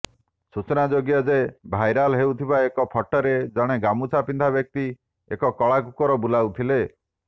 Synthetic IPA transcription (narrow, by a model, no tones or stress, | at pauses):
sut͡ʃɔnad͡ʒoɡijɔd͡ʒebʱajɾalɦewt̪ʰibaekɔpʰɔʈɔɾed͡ʒɔɽ̃eɡamut͡ʃʰapind̪ʱabjɔk̚t̪i | ekɔkɔɭakukɔɾɔbulawt̪ʰile